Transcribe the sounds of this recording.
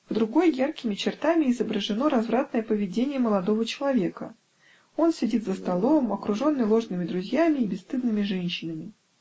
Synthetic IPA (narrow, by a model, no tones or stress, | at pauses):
vd̪ɾʊɡo̞jjarkʲɪmʲɪt͡ɕɪrt̪amʲɪɪzəbɾəʐɨno̞ɾɐzvɾat̪nəjəpəvʲɪdʲenʲɪjəməlˠɐd̪o̞vət͡ɕɪlˠɐvʲe̞kə̰ | o̞nsʲɪdʲit̪zəst̪ɐlˠo̞mɐkɾʊʐo̞nːɨjlˠo̞ʐnɨmʲɪd̪ɾʊzʲjamʲɪːbʲɪst̪ɨd̪̚nɨmʲɪʐɛnʲɕːɪnəmʲɪ